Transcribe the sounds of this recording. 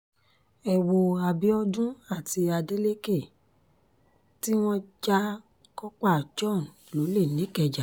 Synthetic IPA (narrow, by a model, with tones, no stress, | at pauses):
ɛ˨wo˨a˨bi˨˦ɔ˧dũ˦a˦˨ti˧a˧de˦le˦ke˦˨ | ti˦w̃ɔ̃˦d͡ʒa˦ | kɔ˦k͡pa˦˨d͡ʒɔ˦˨n | lo˨˦le˦˨nĩ˨˦kɛ˧˨d͡ʒa˨